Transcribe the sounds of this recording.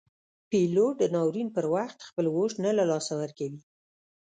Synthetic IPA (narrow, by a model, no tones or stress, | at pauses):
piloʈ̚d̪ənɑwɾinpəɾwaxt̪xpəlwoʃnalalɑsawəɾkawi